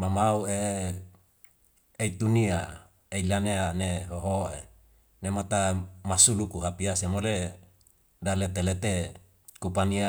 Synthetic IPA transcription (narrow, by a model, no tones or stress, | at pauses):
mamaue | eit̪unia | eilaneaneɦoɦoe | nemat̪amasulukuɦapiasemole | dalet̪elet̪e | kupania